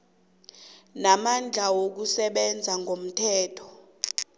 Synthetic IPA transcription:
namand͡ɮʱawok̬usɛɓɛnd͡zʱaŋɡʱom̩tʰɛːtʰɔ̥

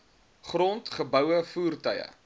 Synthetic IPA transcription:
χrɔntχəbəwəfuːrtœjə̰

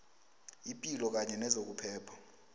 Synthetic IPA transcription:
ipʼilɔk̬aɲɛnɛzok̬upʰɛːpʰḁ

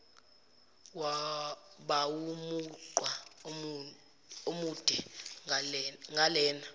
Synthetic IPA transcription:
wa | ɓawumuǃwa | omud̥ʱɛ | ŋalɛːna

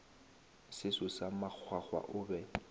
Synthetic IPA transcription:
sɪsʊsamak͡xʰwak͡xwa̰ʔʊːbɛ

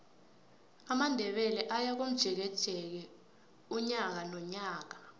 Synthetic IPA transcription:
amandʱɛɓɛlɛʔajak̬om̩d̥ʒ̥ʱɛk̬ɛtʰɛk̬ɛ | uɲak̬anɔɲaːk̬a

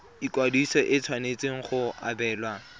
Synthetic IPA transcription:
ikwadisɔʔɪt͡sʰwanet͡sʼeŋ̩χʊa̰bɛːlwa

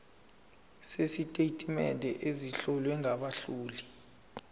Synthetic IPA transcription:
sesitʼeitʼimɛndʱɛʔeziɬɔlwɛŋaɓaɬuːli

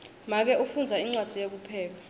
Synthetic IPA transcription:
mak̬ɛʔufund͡zʱaiŋ͡ǀwad̥ʱijek̬upʰɛːla

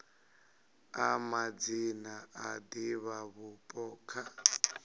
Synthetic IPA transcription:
amad͡zinaʔadiβaβupʼɔːkʰa

